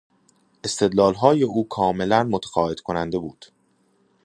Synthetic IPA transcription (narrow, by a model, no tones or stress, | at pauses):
ʔe̞st̪ʰe̞d̪lɒːlɦɒːje̞uːkʰɒːme̞lænmot̪ʰæ̥xɒːed̪kʰonænd̪e̞buːd̪̥